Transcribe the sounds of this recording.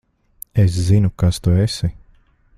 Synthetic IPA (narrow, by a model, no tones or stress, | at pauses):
es̬zinukast̪uesi